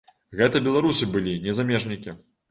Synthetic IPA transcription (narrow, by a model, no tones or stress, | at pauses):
ɣɛt̪ɐbʲɛlˠaɾusɨbɨlʲinʲɛzamʲɛʐnʲikʲi